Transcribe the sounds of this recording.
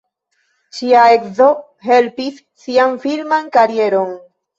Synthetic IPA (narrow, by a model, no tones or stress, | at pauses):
ʃiaekzo̞ | ɦe̞lpisːianfilmankaɾie̞ɾo̞n